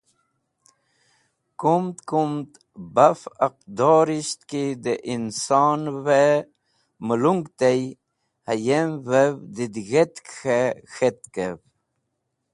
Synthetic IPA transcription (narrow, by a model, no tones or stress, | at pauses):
kumt̪kumt̪ | bafəq̚d̪oːɾiɕt̪kid̪eʔinsɑːnwe | məluŋɡt̪ej | hajemvewd̪id̪ɣet̪kxexet̪̚kev